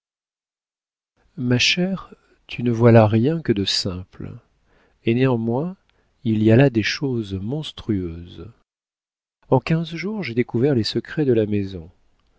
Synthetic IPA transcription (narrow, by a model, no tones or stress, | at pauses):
maʃɛʁ | t̪ʰynəvwalaʁjɛ̃kəd̪əsɛ̃pl | eneɑ̃mwɛ̃ | ilialad̪eʃozmɔ̃st̪χyøz | ɑ̃kʲɛ̃zʒuʁʒed̪ekuvɛʁlesəkχɛd̪əlamezɔ̃